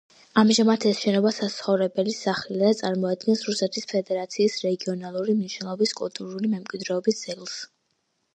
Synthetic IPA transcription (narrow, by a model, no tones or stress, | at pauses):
amʒamat̪ʰɛsʃɛnɔbasat̪sχɔvɾɛbɛlisaχɛlat̪sʼaɾmɔad̪̚ɡɛnsɾusɛt̪ʰispʰɛd̪ɛɾat̪sʰiːsɾɛɡiɔnalˠuɾimniʃnɛlˠɔbiskʼṵlˠt̪ʼuɾulimɛmkʼwid̪ɾɛɔbisd̪zɛlˠs